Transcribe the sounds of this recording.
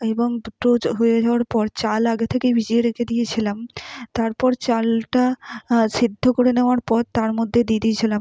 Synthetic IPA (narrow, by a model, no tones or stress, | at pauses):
eboŋʈoɦoed͡ʑaoaɾpɔɾt͡ɕalaɡet̪ʰekejbʱid͡ʑieɾekʰed̪ijet͡ɕʰilamt̪aɾpɔɾt͡ɕalʈaʃid̪ʱːokoɾeneoaɾpɔɾt̪ːaɾmod̪ʱːed̪ied̪iet͡ɕʰilam